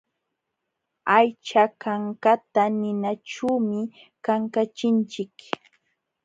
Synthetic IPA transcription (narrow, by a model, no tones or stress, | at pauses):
ajt͡ʃakaŋkat̪anɪnaʈ͡ʂuːmɪ | kaŋkat͡ʃɪnt͡ʃɪk